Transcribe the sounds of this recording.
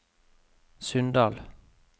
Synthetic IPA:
sʉnd̪ɑːl

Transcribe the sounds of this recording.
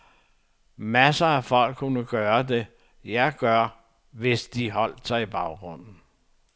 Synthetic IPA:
mæsɐæfɒ̽l̰ɡ̥ʰːunəɡ̥ɶːɐd̥e̝ | jɑɪɡ̥ɶɐ | ʋe̝sd̥iɦɒ̽l̰d̥sɑ̈ɪib̥ɑ̈ʊɡ̥ʁɔ̽n̰n̩

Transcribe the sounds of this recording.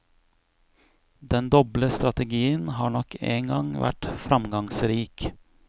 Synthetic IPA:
d̪ɛnd̪ɔbləst̪ɾɑt̪əɡiːənhɑːɳɔkḛːŋɡɑŋʋʔæ̰ʈfɾɑmɡɑŋsɾiːk

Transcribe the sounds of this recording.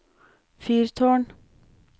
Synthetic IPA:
fyːɾt̪ʰoːɳ

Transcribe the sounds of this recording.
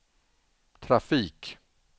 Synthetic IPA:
t̪ʰɾafiːk

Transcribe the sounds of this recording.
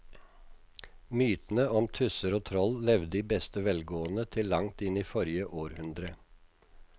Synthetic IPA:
myːt̪n̩əɔmt̪ʰʉsəɾoːt̪ʰɾɔllɛʋd̪d̪iːbɛst̪əʋɛlɡoːənət̪ʰɪlːɑŋt̪ɪniːfɔɾjəʔoːɾhʉnd̪ɾə

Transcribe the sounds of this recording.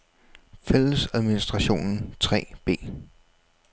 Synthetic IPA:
fel̰əsæðˠminisd̥ʁɑ̈ɕo̝̰ːnn̩t͡sʰʁɛ̰ːb̥e̝̰ː

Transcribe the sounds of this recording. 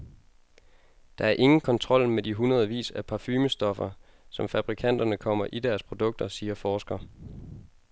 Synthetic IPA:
d̥ɑ̈æɐʔe̝ŋn̩kʰɒ̽nt͡sʰʁɒ̽l̰mediɦunɐð̞ˠʋḭːsæpʰɑ̈fyːməsd̥ɒ̽fɐ | sɒ̽mfæb̥ʁikʰæn̰d̥ɐnəkʰɒ̽m̰ɐʔid̥æɐspʰʁo̝d̥ɔ̽ɡ̥̚d̥ɐsiːɐfɒːsɡ̥ɐ

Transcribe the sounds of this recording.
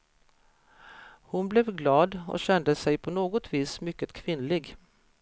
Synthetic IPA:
hʊnblɛvɡlɑːd̪ɔ̰ɕɛnd̪əsɛjpʰɔnoːɡɔt̪ʰviːsmʏkːət̪kʰvɪnlɪɡ

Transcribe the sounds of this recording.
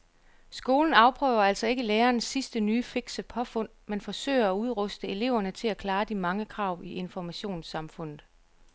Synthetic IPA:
sɡ̥o̝ːln̩ɑ̈ʊpʰʁœːʊɐæl̰sɒ̽e̝ɡ̥əleːɐːnsːisd̥ənyːfeɡ̥səpʰɒ̽fɔ̽n̰menfɒ̽sø̰ɪ̰ɐæuð̞ˠʁɔsd̥əe̝le̝ʊ̰ɐnət͡sʰe̝lækʰlɑ̈ːd̥imɑ̈ŋəkʰʁɑ̈ʊ̰iʔe̝nfɒmæɕo̝̰ːnsɑ̈mfɔ̽n̰ð̩ˠ

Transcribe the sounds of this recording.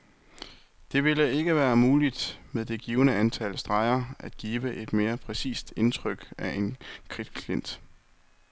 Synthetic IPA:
d̥e̝ʋe̝ləe̝ɡ̥əʋæːɐmuːlid̥meðˠd̥e̝ɡ̥iːʊənəænt͡sʰælsd̥ʁɑ̈ɪɐʔæd̥̚ɡ̥iːʋəʔe̝d̥me̝ːɐpʰʁɛsḭːsd̥e̝nt͡sʰʁœɡ̥æʔenkʰʁid̥kʰlien̰d̥

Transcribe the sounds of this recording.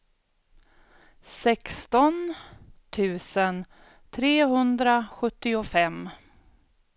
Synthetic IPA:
sɛkst̪ɔnt̪ʰʉ̟ːsən | t̪ʰɾeːɦɵnd̪ɾaɧɵt̪ːɪʊfɛmː

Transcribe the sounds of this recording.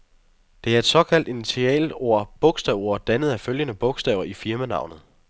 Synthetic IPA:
d̥e̝æɐe̝d̥sɒ̽kʰæl̰d̥init͡sʰiɛ̰ːlo̝ɐ̰b̥ɔ̽ɡ̥sd̥ɛʊo̝ɐ̰d̥ænð̞̩ˠæføljənəb̥ɔ̽ɡ̥sd̥ɛʊɐʔifiɐmænɑ̈ʊ̰nð̩ˠ

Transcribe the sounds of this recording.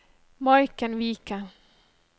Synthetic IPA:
mɔjkənviːka

